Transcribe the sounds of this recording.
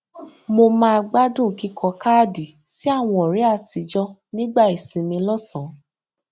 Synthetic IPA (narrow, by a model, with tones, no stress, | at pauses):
mo˧mãː˦˧ɡ͡ba˦dũ˦˨ki˧kʰɔ˧kaː˦˨di˨ | si˦a˦˨w̃ɔ̃˧˨ɔ˨ɾi˨˦a˦˨ti˨˦d͡ʒɔ˦nĩ˦ɡ͡ba˦˨i˨sĩ˨mĩ˧lɔ˦˨sã˨˦